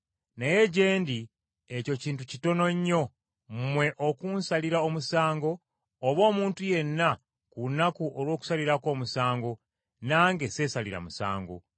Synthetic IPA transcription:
naje̞ɟe̞ːndi | eco̞ciːntucito̞no̞ɲːo̞ | mmwe̞ʔokunsaliɾaomusaːŋɡo̞ː | βo̞ːmuːntuje̞nːa | kunakuʔolwo̞ːku̥saliɾako̞ːmusaːŋɡo̞ | naːŋɡe̞se̞saliɾa̰musa̰ːŋɡo̞̰

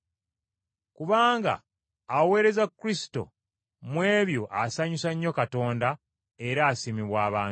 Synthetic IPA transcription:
kuβaːŋɡa̰ː | we̞ːɾe̞zakːuɾisi̥to̞̰ | mwe̞ːβjo̞ʔasaɲusaɲːo̞kato̞ːnda | e̞ɾaːsimiβwaːβaː

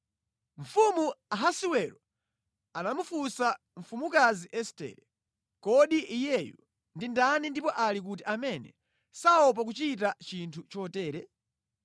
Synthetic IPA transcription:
ɱ̩fumuaɦasiwɛɾɔ | anamufusa | ɱ̩fumukaziʔɛstɛ̰ːɾɛ | kɔɗiʔijɛjṵ | ndindanindipɔʔalik̬utiʔamɛnɛ̰ | saɔp̬ak̬ut͡ʃitat͡ʃintʰut͡ʃɔtɛːɾɛ

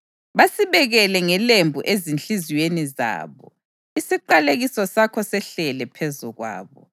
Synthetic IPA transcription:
βasiβɛɣɛlɛŋɛlembʱuʔezint͡ɬiziweniza̰ːβɔ̰ | isiǃaleɣisɔsakʰɔsɛɬɛlɛpʰɛzuɣwa̰ːβɔ

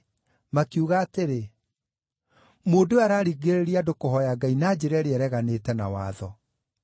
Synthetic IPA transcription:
makjuɣaːteɾe | moːdoaɾaːɾiɣeɾeɾiadokoɦɔjaɡainaːd͡ʑeɾɛɾeɛɾɛɣaneːtɛnawa̰ːðɔ

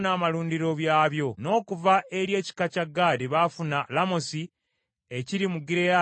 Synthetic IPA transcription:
naːmaluːndiɾo̞βjaːβjo̞no̞ːkuvaʔe̞ɾje̞ːci̥kacaɡːaːdiβafunalamosi | eciɾimuɡiɾea

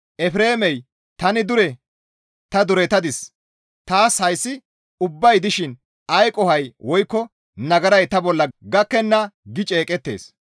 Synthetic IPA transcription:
ʔɛfɾe̞ːmɛj | t̪ɐnɪd̪ʊɾɛ | t̪ɐd̪ʊɾɛt̪ɐd̪ɪs | t̪aːshɐjsːɪ | ʊbːɐjd̪ɪʃɪn | ɐjkʼɔhɐjwɔjkːɔ | nɐɡɐɾɐjt̪ɐbɔlːɐɡɐkːɛnːɐɡɪt͡ʃʼeːkʼɛt̪ːe̞̰ːs

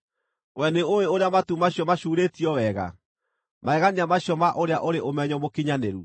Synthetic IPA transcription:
wɛneoweoɾeamatumaɕjɔmaɕuːɾetiɔwɛɣa̰ | maɛɣaniamaɕjɔmaʔoɾeaʔoɾeʔomɛɲɔmokiɲaneɾu

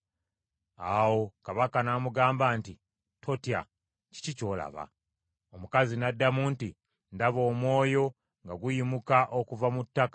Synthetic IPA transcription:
awo̞kaβakanamuɡaːmbaːnti | tʰo̞tja̰ | ci̥cico̞ːla̰βa̰ | omukazinadːamuːnti | ndaβo̞ːmwo̞ːjo̞ | ŋɡaɡujimukaʔokuvamutːakḁ

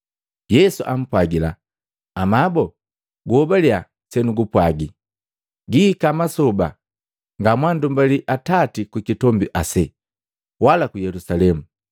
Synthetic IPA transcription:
jɛsuʔam̩pwaɡila̰ː | mabɔ | ɡuɔbalia | sɛnuɡupwaɡi | ɡikamasɔba̰ | ŋɡamwandumbaliʔatatikukitɔmbiʔasɛ | walakujɛlusalɛmu

